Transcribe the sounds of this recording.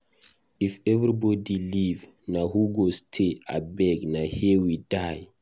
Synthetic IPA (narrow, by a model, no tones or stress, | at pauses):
ifɛvɾibɔdiliv | nahuɡostʰea̰bɛɡnahɛwidaj